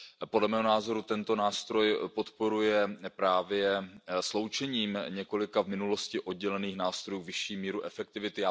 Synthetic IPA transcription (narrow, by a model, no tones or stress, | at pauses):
podlɛmɛːɦonaːzo̞ɾut̪ɛnt̪o̞naːst̪ɾo̞jpo̞t̪po̞ɾujɛpɾaːvjɛslo̞wt͡ʃɛɲiːmɲɛko̞lɪkavmɪnulo̞scɪʔo̞d̚ɟɛlɛniːxnaːst̪ɾo̞juːvɪʃiːmiːɾuʔɛfɛk̚t̪ɪvɪt̪ɪa